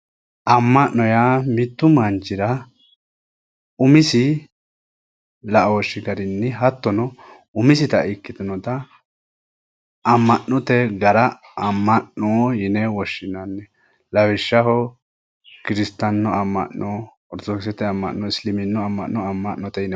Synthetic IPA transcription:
ɐmːɐnːɔjamɪt̪ːʊmɐnt͡ʃːɪɾɐ | ʊmɪsɪ | lɐʔɔwɔʃːɪɡɐɾɪnːɪɦɐt̪ːɔnɔ | ʊmɪsɪt̪ɐɪkːɪt̪ɔnɔt̪ɐ | mːɐnːɔt̪ɛɡɐɾɐ | ɐmːɐnːɔjɪnɛwɔʃːɪnɐnːɛ | lɐwɪʃːɐhɔ | kɪɾɪst̪ːɐnːɔɐmːɐ̰nːɔ | ɔɾd̪ɔksɛt̪ːɛɐmːɐ̰nːɔɪslɪmɪnːɔɐmːɐnːɔɐmːɐnːɔt̪ɛjɪnɛ

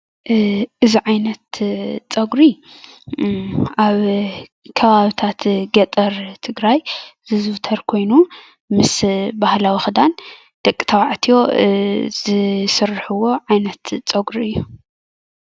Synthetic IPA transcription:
ʔɨziʕajnɐt̪t͡sʼɐɡɾi | aβ | kʰɐβaβit̪ʰat̪ɡɐt̪ʼɐɾt̪ʰɨɡɾajzɨzɨft̪ʰɐɾkʰo̞jnu | mɨsbahlawixɨd̪an | d̪̥ɐkʼːi̥t̪ʰɐwaʕt̪ʰijo̞ | zɨsɨrħuwo̞ʕajnɐt̪t͡sʼɐɡɾiɨjːu

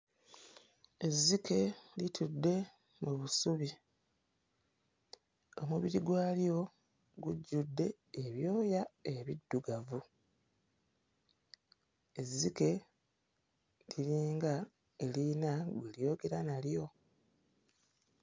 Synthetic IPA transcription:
e̞zːike̞litʰudːe̞ | muβusuβi | o̞muβiɾiɡwaːlijo̞ | ɡuɟːudːe̞ː | βjo̞ːjae̞βidːuɡavu | e̞zːike̞ | liɾiːŋɡa | elinaɡwelijo̞ːɡe̞ɾanaljo̞

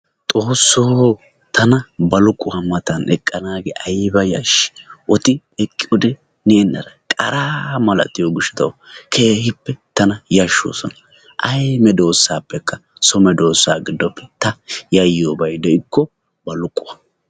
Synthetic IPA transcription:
t̪ʼo̞ːsːoː | t̪ʰɐnɐbɐlʊkʼːʊɐmɐt̪ɐnɛkʼːɐnaːɡɛʔɐjbɐjɐ̰ʃɪ̥ʔɔt̪ɪ | ɛkʼːɪʊd̪ɛ | nenːɐɾɐkʼɐɾaːmɐlɐ̰t̪ːɪjoɡʊʃːɐ̥t̪ɐwkʰeːhɪpːɛt̪ɐnɐjɐʃːo̰ːsɔnɐ | ʔɐjmɛd̪o̞ːsːaːpːɛkːɐsɔmɛd̪o̞ːsːaːɡɪd̪ːɔpʰːɛt̪ɐjɐjoːbɐjd̪ɛɪkʰːɔ | bɐlʊkʼːʊwɐ

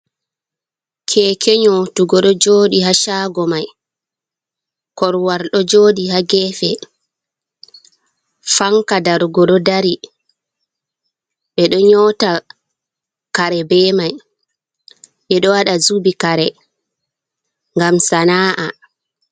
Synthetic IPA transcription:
kʰɛːkʰɛɲɔtuɡɔɗɔd͡ʒoːɗihaʃaːɡɔmaj | kɔɾwaɾɗɔd͡ʒoːɗihaɡɛfɛ | faŋkadaɾɡɔɗɔdaɾi | ɓɛɗɔɲɔta | kaɾɛbɛːmaj | ɓɛɗɔwaɗazubikaɾɛ | ŋɡamsanaːʔa

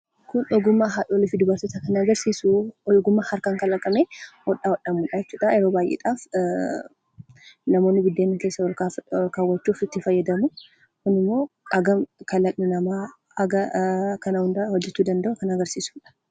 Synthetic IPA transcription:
kʊnɔɡʊmːaɦaᶑoːlɪfɪd̪ʊbɐɾt̪ɪt̪ɐkɐnɐɡɐɾsiːsuɔɡʊmːahɐɾkaŋkɐlɐkʼːɐmeːwɔɗaːwɔɗːɐmuːᶑɐjɛt͡ʃːuːᶑɐɛɾo̞ːbaːjʔḛᶑ̪aːf | nɐmo̞ːnːɪbɪd̪ːeːnːɐke̞ːsːɐwɔlkaːlkawɐt͡ʃːuːfɪt̪ːɪfɐjːɐd̪ɐmʊ | kʊnɪmːo̞ːʔɐɡɐmkɐlːɐt̪ʼnɪnɐmaː | ɐɡɐkɐnɐhʊnd̪aːwɔd͡ʒːɛt̪ːuːd̪ɐnd̪ɐʔʊkɐnɐɡɐɾsiːsu̥ːᶑɐ̥

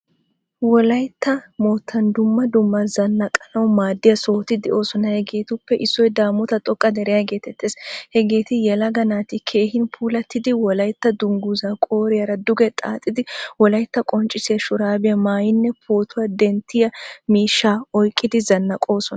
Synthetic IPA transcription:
wɔlɐjt̪ːɐmoːt̪ʰːɐnd̪ʊmːɐd̪ʊmːɐzɐnːɐkʼɐnɐwmaːd̪ːɪjɐso̞ːt̪ɪd̪ɛʔo̞ːsɔnɐhɛɡe̞ːt̪ʊpːɛʔɪsːɔjd̪aːmːɔt̪ɐt̪ʼɔkʼːɐd̪ɛɾɛjɐɡe̞ːt̪ɛt̪ːeːshɛɡe̞ːt̪ɪjɛlɐɡɐnaːt̪ɪkʰe̞ːhɪnpʰuːlɐt̪ːɪd̪ɪwɔlɐjt̪ːɐd̪ʊŋɡʊzakʼo̞ːɾɪjɐɾɐd̪ʊɡɛt̪ʼaːt̪ʼːɪd̪ɪwɔlɐjt̪ːɐkʼɔnt͡ʃʼːɪsɪjɐʃʊɾaːbɪjɐmaːjɪnːɛpʰoːt̪ʰʊwɐd̪ɛnt̪ːɪjɐmiːʃːaːɔjkʼːɪd̪ɪzɐnːɐkʼo̞ːsɔnɐ

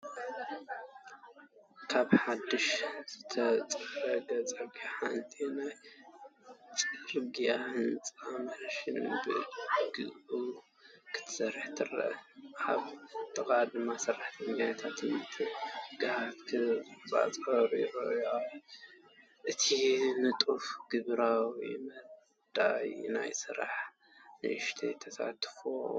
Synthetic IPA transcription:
kʰaβħad̪ːɨʃz̥ɨt̪ʰɐt͡sʼɐɾɐɡɐt͡sʼɐɡjaħant̪ʼinaj | t͡sʼɨɾɡijahɨnt͡sʼamɐʃɨnbɨ̰ɡɨzu | kʰɨ̥t̪ʰɐ̥sɐɾɨħt̪ʰɨrɐ̰ħaβt̪ʼɨkʼad̪ɨmːasɨraħt̪ʰɐmɡajat̪ʰat̪ʰɨnɨt̪ʰɨɡ̥ɨhat̪kʰɨba̰t͡sʼɐɾiɾoja | ʔɨt̪ʰimɨt̪ʼufɡ̥ɨβɾawḭmɐ | d̪̥ajna̰jsɨɾa̰ħ | nɨ̰ʔɨʃt̪ʰḛt̪ʰɐsa̰t̪ʰfo

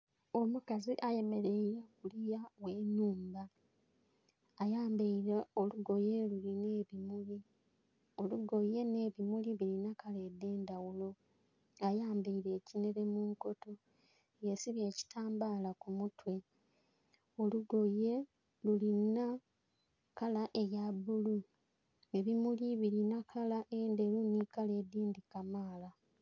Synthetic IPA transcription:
o̞mukaziʔaje̞me̞ɾe̞iɾakulijaweːnuːmba | jaːmbeoluɡo̞je̞luline̞ːβimuli | o̞luɡo̞je̞ne̞ːβimuliβilinakale̞dːe̞ːndawulo̞ | ajaːmbeiɾeːcineɾe̞muŋko̞to̞ | jesiβje̞ːci̥tʰaːmbaːlakumutwe̞ | oluɡo̞je̞ | lulina | kalaʔe̞jaβulu | e̞βimuliβiɾinakʰalaʔende̞lunikale̞ːdiːndikamaːla

